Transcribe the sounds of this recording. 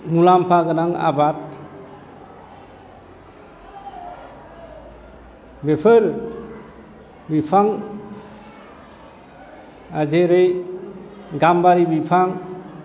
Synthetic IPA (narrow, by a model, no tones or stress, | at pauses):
mulampʰaɡɯnaŋa̰bat̚ | bepʰɯɾ | bipʰaŋ | ad͡ʒeɾɯj | ɡambaɾibipʰaŋ